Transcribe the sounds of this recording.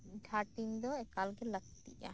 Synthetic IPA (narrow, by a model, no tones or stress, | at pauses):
ɖʱaʈind̪ɔɛkalɡɛləɡ̚t̪ḭʔa̰